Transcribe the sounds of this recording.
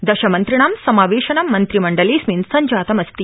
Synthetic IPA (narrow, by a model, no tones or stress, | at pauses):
d̪ɐʃɐmɐnt̪ɾiɳaːmsɐmaːʋeːʃɐnɐmːɐnt̪ɾimɐɳɖɐliːsminsɐɲd͡ʒaːt̪ɐmɐst̪i